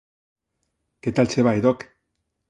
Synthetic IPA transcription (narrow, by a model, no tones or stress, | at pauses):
ket̪alt͡seβajðok